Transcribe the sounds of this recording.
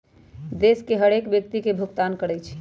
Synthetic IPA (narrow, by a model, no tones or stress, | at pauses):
d̪eskeɦəɽekbjək̚t̪ikebʱukt̪ankəɽɛjt͡ʃʰ